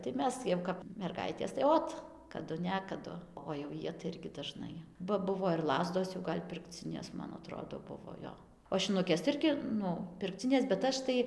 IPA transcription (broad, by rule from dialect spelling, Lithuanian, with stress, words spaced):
tɐɪ ˈmʲɛs jɛʊ ˌkɐp mʲɛrˈɡɐɪtʲeːs tɐɪ ˈoːt kɐˈdʊ ˈnʲæːkɐdʊ oː jɛʊ ˈjiɛ tɐɪ ˈɪrʲɡʲɪ dɐˈʒnɐɪ bɐ ˈbʊʋoː ɪr ˈlˠɑːzdoːs jɛʊ ˈɡɐlʲ pʲɪrkˈt͡sʲɪnʲeːs mɐn ɐˈtroːdoː ˈbʊʋoː ˈjoː oː ʃʲɪnʊˈkʲeːs tɐɪ ˈɪrʲɡʲɪ ˈnʊ pʲɪrkˈt͡sʲɪnʲeːs bʲɛt ˈɐʃ tɐɪ